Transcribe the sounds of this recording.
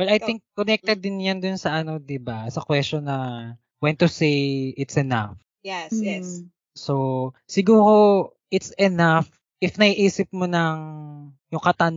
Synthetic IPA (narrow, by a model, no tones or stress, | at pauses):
wɛlɐjt̪ɪŋk̚kːonɛk̚t̪ɛd̪ːɪnjand̪ʊnsɐʔɐno̞d̪ɪbasɐkwɛst͡ʃonːɐ | wɛnt̪ːusejʔɪt̪sɛna̰f | jɛsjɛs | sosɪɡuːɾo | ʔɪt̪sɛnaf | ʔɪfnɐhiʔiːsɪp̚monɐŋ | jʊŋkɐt̪an